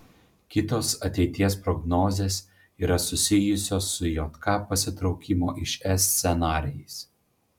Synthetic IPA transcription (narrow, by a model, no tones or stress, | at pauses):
kʲɪt̪oːsɐt̪ʲɛɪt̪ʲiɛspɾɔɡnɔːzʲeːs | iːɾɐsʊsʲɪjʊsʲoːsːʊjoːt̪kɑːpɐsʲɪt̪ɾɒʊkʲɪmoːʔɪʃɛsʲsʲɛnɑːɾʲɪjɛs